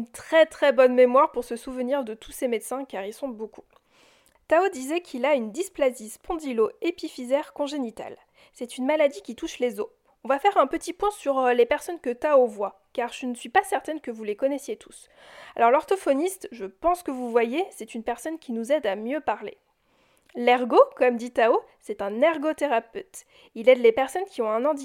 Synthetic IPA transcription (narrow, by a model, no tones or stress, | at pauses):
ynt̪χɛt̪χɛbɔnmemwaʁpuʁsəsuvəniʁd̪ət̪ʰusemɛd̪sɛ̃kaʁilsɔ̃boku | t̪aod̪izɛkʰilaynd̪isplazispɔ̃d̪iloepifizɛʁkɔ̃ʒenit̪a̰l | sɛt̪ynmalad̪ikʲit̪uʃlezo | ɔ̃vafɛʁɛ̃pət̪ipwɛ̃syʁlepɛʁsɔnkət̪aovwa | kaʁʒ̥ənəsɥipasɛʁt̪ɛnkəvulekɔnɛsjet̪ʰu̥s | alɔʁlɔʁt̪ɔfɔnist̪ʒəpɑ̃skəvuvwajesɛt̪ynpɛʁsɔnkʲinuzɛd̪amjøpaʁlḛ | lɛʁɡokɔmd̪it̪ao | sɛt̪ɛ̃nɛʁɡot̪eʁapøt̪ | ilɛd̪lepɛʁsɔnkʲiɔ̃ɛ̃nɑ̃d̪i